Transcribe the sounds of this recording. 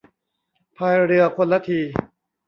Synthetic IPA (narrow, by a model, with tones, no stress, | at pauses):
pʰaː˧jɾɯ˧ɐkʰo˧nla˦˥t̪ʰiː˧